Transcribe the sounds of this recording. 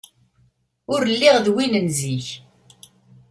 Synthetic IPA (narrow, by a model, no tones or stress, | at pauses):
ʊɾlːiʁðwinənziç